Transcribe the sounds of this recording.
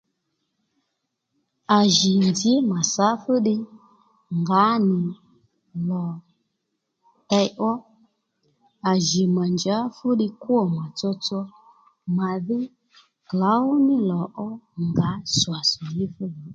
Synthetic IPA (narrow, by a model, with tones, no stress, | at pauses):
a˨ʒɪ˨nd͡zɪ˨˦ma˨sa˨˦fu˦ɗɪ˧ | ŋɡa˨˦nɪ˨ | lɔ˨ | ta˧jʔɔ˦ | a˨ʒi˨ma˨nd͡ʒa˨˦fu˦ɗɪ˧ku˦ɔ˨ma˨t͡sɔ˧t͡sɔ˧ | ma˨ðɪ˦ | kla˨˦ʊ˦nɪ˦lɔ˨ʔɔ˦ŋɡa˨˦swa˨sɔ˨ji˦fu˦ji˨˦